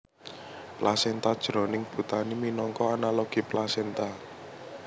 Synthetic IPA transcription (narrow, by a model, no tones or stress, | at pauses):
plasɛnt̪ad̥ʒ̥ɾɔ̤nɪŋb̥ṳt̪animinɔŋkɔanaloɡ̥i̤plasɛnt̪a